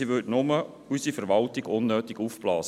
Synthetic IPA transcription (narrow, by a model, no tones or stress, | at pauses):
iʋʏtnʊmə | ysifəɾʋɑltiɡ̥ʊnːøːtiɡ̥ufblɑːs